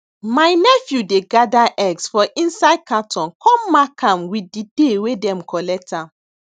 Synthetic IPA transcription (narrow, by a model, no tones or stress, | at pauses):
majnɛfjudeɡadaʔɛɡsfɔʔĩnsaɪd̚katʰɔ̃nkʰɔ̃mːakãmwididewedɛ̃mkɔlɛk̚tãm